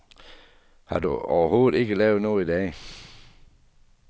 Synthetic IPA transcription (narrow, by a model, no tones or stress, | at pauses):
hɑ̰dṵɒ̰ʊɐhoːd̩ɪɡ̥əlɛːʊnoːid̪ɛː